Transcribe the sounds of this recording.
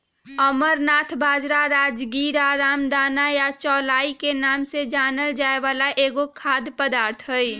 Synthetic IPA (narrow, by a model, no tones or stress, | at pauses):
əməɾnaːt̪ʰbaːd͡ʒɾaɾaːd͡ʒɡiːɾaɾaːmd̪aːnajat͡ʃɔːlaːikenaːmsed͡ʒaːnəld͡ʒaːeʋaːlaʔeːɡokʰaːd̪pəd̪aːɾt̪ʰɦəi